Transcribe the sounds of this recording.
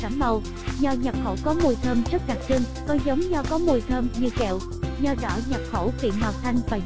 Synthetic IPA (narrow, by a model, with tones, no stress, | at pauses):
aː˧˩mmə˨˩w | zɔ˧ɲa˨˩p̚xo̰˧˩wkɔ˨˦mu˨˩jt̪ʰəː˧mzə˦˥k̚ɗa˨˩k̚t͡ɕɨ˧ŋ | kɔ˨˦zə˨˦wŋ͡mɲɔ˧kɔ˨˦mu˨˩jt̪ʰəː˧mɲɨ˧kɛ̰˧˨w | ɲɔ˧zɔ̰˧˩ɲa˨˩p̚xo̰˧˩kḭ˧˨ənɦwaː˨˩w̚t̪ʰa˧jŋ̟vaː˨˩